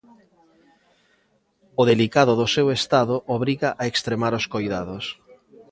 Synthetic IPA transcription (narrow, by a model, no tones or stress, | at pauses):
oðelikaðʊðʊsewest̪aðʊʔoβɾiɣaʔaekst̪ɾemaɾoskojðaðos